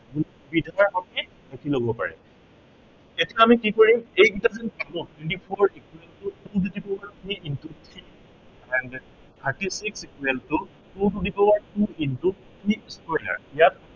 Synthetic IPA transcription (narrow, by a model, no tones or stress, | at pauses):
ɡu | bidʱaɹɦɔkɛ | dekʰiloɡɔpa̰ɹɛ̰ | etijaːmikikɔɹimejɡitazɛnkalɔ̃twɛ̃ntipʰɔɹikuɛltʊtududipɔwaɹtʰɹiʔintutʰɹi | ɛnd | t̪ʰaɹtisiksikwɛltʊ | tududipɔwaɹtuintu | tispɔjla̰ɹijat̚